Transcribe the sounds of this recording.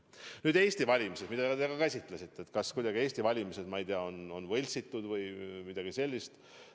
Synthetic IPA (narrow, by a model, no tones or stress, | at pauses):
nyːd̪e̞ːsʲt̪ivɑlʲimise̞smid̪̥ɑɑt̪eɡ̥ɑkæsʲit̪ˑlesit̪ːˑet̪kɑskujd̪̥ɑɡie̞ːsʲt̪ivɑlʲimise̞d̪̥mɑijd̪eɑo̞no̞nvɤlʲsit̪ːud̪̥vɤjmid̪ɑɡ̥ise̞lʲːist̪